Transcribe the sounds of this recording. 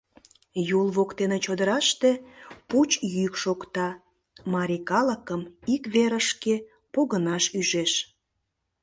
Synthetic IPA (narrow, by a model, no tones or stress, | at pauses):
julβokt̪enet͡ɕod̪əɾɑʃt̪eput͡ɕjykʃokt̪ɑ | mɑɾʲikɑləkəmikβeɾəʃke | poɣənɑʃyʒeʃ